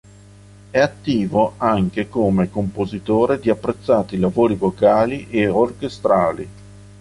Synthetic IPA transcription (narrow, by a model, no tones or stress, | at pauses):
ɛat̪ːiːvoaŋk̟ekomekompozit̪oːɾed̪iapːɾet̪sːaːt̪ilavoːɾivokaːliʔeorkest̪ɾaːli